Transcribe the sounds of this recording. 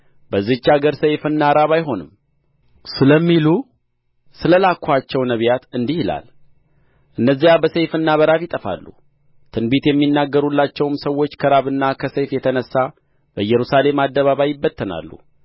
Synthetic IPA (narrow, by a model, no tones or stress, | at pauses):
bəzɨt͡ʃːaɡəɾsəjfɨnːaɾaβajɦo̞nɨm | sɨləmːilu | sɨləlakʰːʷat͡ʃːɛwnəβjat̪ɨnd̪ihɪla̰l | ʔɨnːəzːijabəsejfɨnːaβəɾafjɪt̪ʼəfa̰lːṵ | t̪ʰɨnbet̪jɛmːinːaɡːəɾulːat͡ʃːɛwmsəwːo̞t͡ʃːkʰəɾaβɨnːakʰəsəjfjɛt̪ʰənəsːa | bəjɛɾusale̞mad̪ːəβaβajːɪbːət̪ʰːəna̰lːṵ